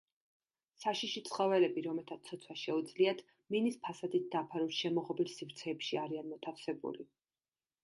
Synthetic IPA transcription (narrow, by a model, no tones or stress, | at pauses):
saʃiʃit̪sʰχɔvɛlɛbiɾɔmɛt̪ʰat̪sʰɔt̪sʰwaʃɛud̪zliat̪ʰ | minispʰasad̪it̪̚d̪apʰaɾuʃɛmɔʁɔbilsifɾt̪sʰɛːpʃiaɾianmɔt̪ʰafsɛbṵli